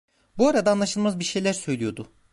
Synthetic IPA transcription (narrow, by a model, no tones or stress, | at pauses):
buaɾad̪aːnlˠaʃɯlˠmazbiɾʃe̞jlʲæɾsøjlʲijo̞d̪ʊ